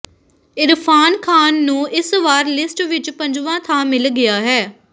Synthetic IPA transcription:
ɪɾpʰaːnkʰaːnːũːʔɪsʋaːɾlɪsʈʋɪt͡ʃpəɲd͡ʒʋãːt̪ʰãːmɪlɡɪjaːɦɛː

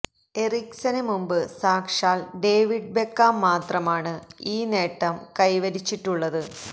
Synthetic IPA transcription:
eriksɐnemumbɨsaːkʂaːlɖe̞ːʋiɖ̚bekːaːmːaːt̪rɐmaːɳɨiːne̞ːʈːɐmkɐjʋɐɾit͡ɕːiʈːuɭːɐðɨ

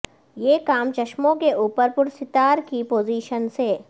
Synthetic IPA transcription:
jeːkaːmt͡ʃɐʃmõkeʔuːpəɾpʊɾsɪt̪aːɾkipoːziːʃənseː

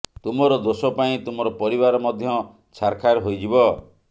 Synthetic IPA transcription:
t̪umɔɾɔd̪osɔpaĩt̪umɔɾɔpɔɾiβaɾɔmɔd̪ʱjɔ | t͡ʃʰaɾkʰaɾɦojd͡ʒibɔ

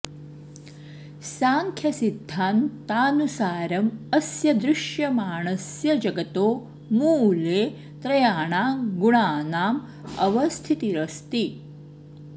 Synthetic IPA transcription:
saːŋkʰjɐsid̪ʱːaːnt̪aːnusaːɾɐmɐsjɐd̪ɾɪʃjɐmaːɳɐsjɐd͡ʒɐɡɐt̪oː | muleː | t̪ɾɐjaːɳaːɡuɳaːnaːm | ɐ̰ʋɐst̪ʰit̪iɾɐst̪i

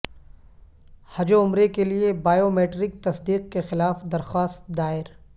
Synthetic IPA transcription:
hɐd͡ʒoʊmɾekeliebaːjoːmeːʈɾɪk̚t̪ɐsd̪iːq̚kexɪlaːfd̪ɐɾxaːst̪̚d̪aːɪɾ

